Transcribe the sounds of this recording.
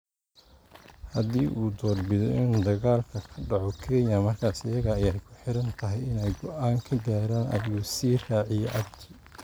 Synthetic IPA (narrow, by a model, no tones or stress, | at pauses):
hɐðiːʔuːd̪ɔːrbɪðɔʔɪnd̪ɐɣaːlkʰɐkʰɐɖɑʕɔkʰɛɲɐmɐrkʰaːsɐjɐɣɐːjaːjkʰʊ̥ħɪɾɐnt̪ʰɐɦɛjɪnɛjɡɔʔaːŋkʰɐɡaːɾaːnʔɐ̰uːsiːraːʕɪjɛʔɐɡt͡ʃʰɪ